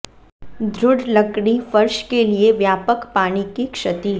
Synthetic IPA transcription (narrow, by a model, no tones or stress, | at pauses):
d̪ʱɾʊɽlɐkɽ̃ifɐɾʃkelieʋjaːpəkpaːɽ̃ikikʃɐt̪i